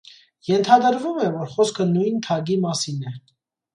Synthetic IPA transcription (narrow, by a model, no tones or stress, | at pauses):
jɛnt̪ʰɑd̪əɾvumɛvɔɾχɔskʰənujnt̪ʰɑɡimɑsinɛ